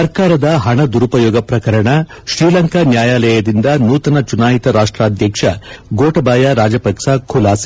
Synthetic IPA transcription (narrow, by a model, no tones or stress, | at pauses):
sɐɾkaːɾɐd̪ɐɦɐɳɐd̪uɾupɐjɔːɡɐpɾɐkɐɾɐɳɐ | ʃɾiːlɐŋkanjaːjaːlɐjɐd̪ind̪ɐnuːt̪ɐnɐt͡ʃunaːɦit̪ɐɾaːʂʈɾaːd̪ʱjɐkʂɐɡoːʈɐbaːjɐɾaːd͡ʒɐpɐkʂakʰulaːsi̥